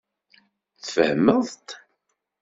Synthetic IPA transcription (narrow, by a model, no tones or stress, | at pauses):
θfəhməðˤt̪